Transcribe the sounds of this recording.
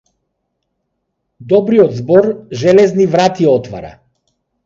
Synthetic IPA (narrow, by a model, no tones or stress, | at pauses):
d̪ɔbɾiɔd̪zbɔɾʒɛlɛznivɾat̪iɔt̪va̰ɾa̰